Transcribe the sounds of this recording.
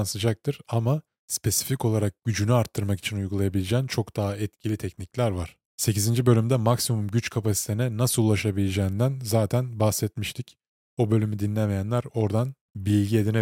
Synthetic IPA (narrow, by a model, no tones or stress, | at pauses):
nsɯd͡ʒak̚t̪ʰɯɾ̥ama | spʰe̞si̥fico̞lˠaɾak̚ɟ̥yd͡ʒynyaɾt̪ʰːɯɾmaki̥t͡ʃʰinujɡulˠajabilʲed͡ʒɛːnt͡ʃʰo̞kd̪aɦaɛt̪cʰilʲit̪ʰɛcniclʲæɾvaɾ̥ | se̞cizind͡ʒibø̞lʲymd̪ɛmaksimumɟyt͡ʃkʰapasi̥t̪ʰenɛnasɯlˠulˠaʃabilʲed͡ʒɛːind̪ænzaːt̪ʰænbaxsɛt̪miʃt̪ʰic | o̞bø̞lʲymid̪inlʲɛmejænlʲæɾo̞ɾd̪an | bilʲɟie̞d̪ine